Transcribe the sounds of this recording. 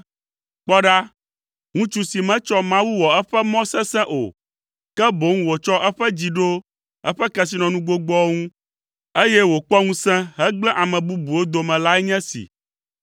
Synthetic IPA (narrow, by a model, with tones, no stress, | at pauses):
k͡pɔ˦ɖa˦ | ŋũ˦t͡ʃu˦si˨mɛ̃˦t͡ʃɔ˦mã˦wu˦wɔ˨ɛ˦ɸɛ˦mɔ̃˦sɛ̃˦sɛ̃˦ʔo̰˨ | kɛ˦bo˨˦ŋũ˦wo˨t͡ʃɔ˦ʔɛ˦ɸɛ˦d͡ʑi˨ɖo˦ | ɛ̰˦ɸɛ˦kɛ˨s̬i˨nɔ̃˨nũ˦ɡo˦ɡ͡bɔ˦ŋũ˦ | e˦jɛ˦wo˨k͡pɔ˦ŋũ˦sɛ̃˦ɦɛ˦ɡ͡blɛ̃˦ʔa˨mɛ̃˨bu˦bu˨o˦d̪o˨mɛ̃˨la˦ɛ˦ɲɛ̃˦sḭ˨